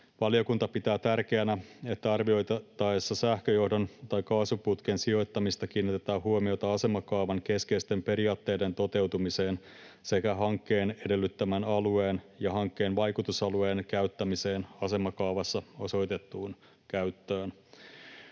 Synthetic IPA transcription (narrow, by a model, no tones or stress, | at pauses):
ʋɑlio̞kunt̪ɑpit̪æːt̪ærke̞ænæe̞t̪ːæɑrʋio̞jt̪ɑt̪ɑesːɑsæhkøjo̞hdo̞nt̪ɑjkɑːsuput̪k̟ensio̞jt̪ːɑmist̪ɑk̟iːnːit̪et̪ɑːhuomio̞t̪ɑɑse̞mɑkɑːʋɑŋke̞skeist̪e̞mpe̞ɾiɑːt̪ːe̞ːde̞nt̪o̞t̪e̞wt̪umise̞ːn | se̞kæɦɑŋkːe̞ːne̞de̞lːyt̪ːæmænɑlue̞ːnjɑɦɑŋkːe̞ːnʋɑjkut̪usɑlueːnkæyt̪ːæmise̞ːnɑse̞mɑkɑuʋɑsːɑo̞so̞jt̪e̞t̪ːuːn | kæyt̪ːøːn